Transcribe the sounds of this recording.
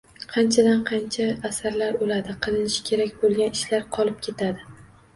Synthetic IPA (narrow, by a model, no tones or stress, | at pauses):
qʰɑnt͡ʃʰad̪anqʰɑnt͡ʃʰaːsaɾlaɾolad̪ɪqʰɨlˠɪnɪʃkʲʰe̞ɾakʲbolˠɡʲanɪʃlaɾqʰɒlˠɪp̚kʲʰe̞t̪ʰad̪ɪ